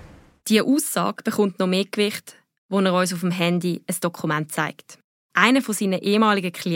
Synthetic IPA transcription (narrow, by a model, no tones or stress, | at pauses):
d̥iəʔuːsɑ̰ːɡ̥b̥əχʊntnɔmeːkvɪχt | ʋonɛːʁɔʏs̬ʊfmɦɛndiəsd̥ɔkʰumant̚t͡sa̰ɪkt | ʔaɪnəfɔsiːnəʔeːmɑːliɡəkχli